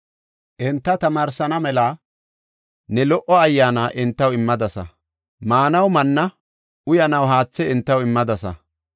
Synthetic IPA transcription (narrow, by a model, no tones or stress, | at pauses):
ʔɛnt̪ːɐt̪ɐmaːɾsɐnɐmɛlaː | nɛlɔʔɔɐjːaːnaːʔɪnt̪ːɐwɪmːɐd̪ɐsɐ̰ | maːnɐwmɐnːɐ | ʊjɐnɐwɦaːt͡sːɛɪnt̪ːɐwɪmːɐd̪ɐsɐ̰